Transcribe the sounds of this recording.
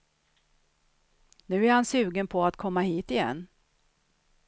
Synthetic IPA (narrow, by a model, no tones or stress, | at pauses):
nʉ̟ːæɾhansʉ̟ːɡənpʰɔat̪kʰɔmːahiːt̪ɪjɛ̰nː